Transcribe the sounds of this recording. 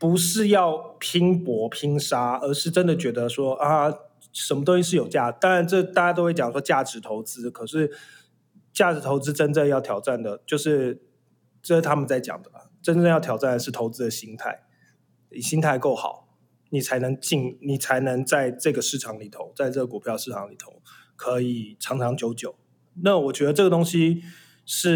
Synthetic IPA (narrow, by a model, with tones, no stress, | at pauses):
pu˨˧˥ʂɻ̩˥˧jɑ˥˩ʊpʰi˥ŋpwɔ˧˥pʰi˥ŋʂa˥ə˞˧˥ʂɻ̩˥˩ʈ͡ʂə˦˥nd̪ə˨t͡ɕɥɛ˧˥d̪ə˧ʂwɔ˥ʔa˥˩ | ʂə˨˩nmə˧t̪o˥ŋɕi˧˥ʂ̬ɻ̩˥˩jo˨˩ʊt͡ɕja˥˩t̪ɑ˥ŋɻa˧˥nʈ͡ʂɤ˥˧t̪a˥˩t͡ɕa˥t̪o˥ʊwe˥˩t͡ɕjɑ˨˩ŋʂwɔ˥t͡ɕja˥˩ʈ͡ʂɻ̩˧˥t̪ʰo˧˥ʊt͡sɹ̩˥kʰɤ˨˩ʂɻ̩˥˩ | t͡ɕja˥˩ʈ͡ʂɻ̩˧˥t̪ʰo˧˥ʊt͡sɹ̩˥ʈ͡ʂə˥nʈ͡ʂə˥˧jɑ˥˩ʊt̪ʰjɑ˨˩ʊʈ͡ʂa˥˩nd̪ə˩t͡ɕjo˥˧ʊʂɻ̩˥˩ | ʈ͡ʂɤ˥˧˩t̪ʰa˥mə˨nt͡sa˥˩ɪt͡ɕjɑ̰˨˩ŋd̪ə˩ə̰˩ʈ͡ʂə˥nʈ͡ʂjt̪ʰjɑ˨˩ʊa˥˩nd̪ə˩ʂɻ̩˥˩t̪ʰo˧˥ʊt͡sɹ̩˥d̪ə˨ɕi˥ŋt̪ʰa̰˥˩ɪ | i˨˩ɕi˥ŋt̪ʰa˥˧ɪko˥˩ʊxɑ̰˨˩˦ʊ | ni˨˩t͡sʰa˧˥ɪnə˧˥ŋt͡ɕi˥˩ŋni˨˩t͡sʰa˧˥ɪnə˧˥ŋt͡sa˥˧ɪʈ͡ʂɤ˥˩ɡə˩ʂɻ̩˥˩ʈ͡ʂʰɑ˧˥ŋli˨˩t̪ʰo˧˥˦ʊt͡sa˥˧ɪʈ͡ʂɤ˥˩ɡə˩ku˨˩pʰjɑ˥˧ʊʂɻ̩˥˩ʈ͡ʂʰɑ˧˥ŋli˨˩t̪ʰo˧˥˦ʊ | kʰɤ˧˦˥i˨˩ʈ͡ʂʰɑ˧˥ŋʈ͡ʂʰɑ˧˥ŋt͡ɕjo˧˥ʊt͡ɕjo˨˩˦ʊ | na˥˨wɔ˨˩t͡ɕɥɛ˧˥d̪ə˧ʈ͡ʂɤ˥˩ɡə˩t̪o˥ŋɕi˥ | ʂɻ̩˥˩